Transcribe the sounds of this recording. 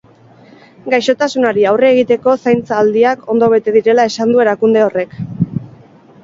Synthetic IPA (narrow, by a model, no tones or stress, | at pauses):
ɡajʃo̞t̪asunaɾiawre̞ːɣ̞it̪e̞ko̞sajnt͡saːld̪iako̞nd̪o̞β̞e̞t̪e̞ðiɾe̞lae̞sand̪ue̞ɾakund̪e̞o̞re̞k